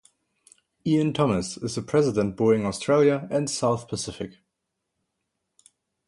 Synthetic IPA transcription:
iɨ̃ntʰɔməsɪzəpʰɹ̥ɛzɪdə̃nt̚b̥ɔɪ̃ŋɔstʰɹ̥eɪlˠjəɨ̃ndsaʊθpʰəsɪfɪk

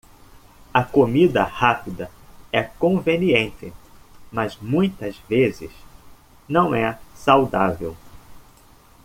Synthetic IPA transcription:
ɐkomid̪ɐ̰hapid̪ɐɛkõveniẽnt̪ɪmɐzmũj̃t̪ɐzvezɪ̰s | nɐ̃w̃ɛsawd̪avḛw

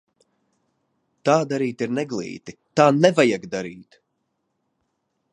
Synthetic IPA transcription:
t̪aːd̪aɾiːt̪iɾnɛɡlˠḭːt̪it̪aːnɛvajaɡd̪aɾiːt̪

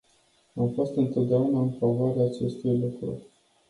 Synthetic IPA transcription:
amfo̞st̪ɨnt̪o̞t̪̚d̪eaunaɨnfavoaɾeaːt͡ʃe̞st̪ujlukɾṵ

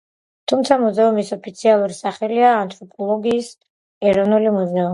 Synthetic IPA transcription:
t̪ʰumt̪sʰamuzɛumisɔpʰit̪sʰialˠuɾisaχɛliaːnt̪ʼɾɔpʼɔlˠɔɡiːs | ɛɾɔnulimuzɛu

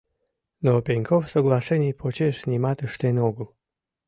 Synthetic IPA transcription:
nopʲeŋʲkʰofsoɡlˠɑʂenʲijpʰot͡ɕeʃnʲimɑt̪əʃt̪enoɡəl

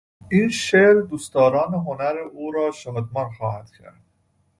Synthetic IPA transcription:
iːnʃeːɾd̪ust̪ɒːɾɑːneɦonæɾeuːɾɒːʃɒːd̪mɑɾxɒːhæd̪̥cʰæ̰ɾd̪̥

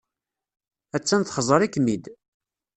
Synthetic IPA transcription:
æt͡sːænθχəzˤəɾˤikːmid̪

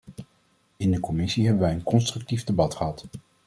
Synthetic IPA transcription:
ɪndəkɔmɪsiɦɛbəʋɛjənkɔnstrɵk̚tivdebɑtχəɦɑt

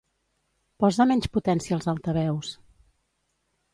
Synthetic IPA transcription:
pɔzəmɛɲʲt͡ʃput̪ɛnsiəːlˠzalˠt̪əβɛws

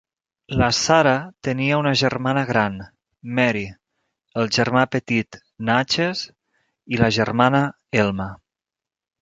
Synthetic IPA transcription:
lasaɾat̪əniəunəʒərmanəɣɾan | mɛɾi | əlˠʒəɾmapət̪it̪ | nat͡ʃez | iləʒərmanə | elˠma

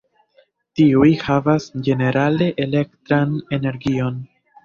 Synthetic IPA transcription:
tiujhavasd͡ʒe̞ne̞ɾale̞ʔele̞ktɾane̞ne̞ɾɡio̞n

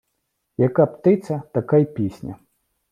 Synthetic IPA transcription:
jɐkapt̪ɪt̪sʲɐt̪ɐkajpʲisʲnʲɐ̰

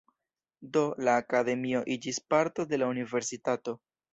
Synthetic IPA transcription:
do̞laːkade̞mio̞ʔid͡ʒispaɾto̞de̞launive̞ɾsitato̞

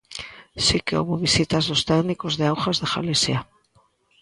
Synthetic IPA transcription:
sikeṵβoβisit̪azðost̪eɣnikozðeawxazðexa̰lesja

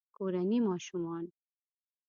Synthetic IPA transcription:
koɾanimɑːʃumɑn

